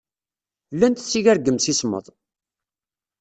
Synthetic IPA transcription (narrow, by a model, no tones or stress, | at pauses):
lːænt̪t͡sːiʝæɾɡːəmsismə̰ðˤ